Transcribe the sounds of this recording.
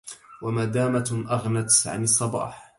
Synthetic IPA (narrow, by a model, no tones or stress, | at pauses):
wamaːd̪aːmaʔaɣnat̪ʕa̰nɑsˤːɑbɑ̰ːħ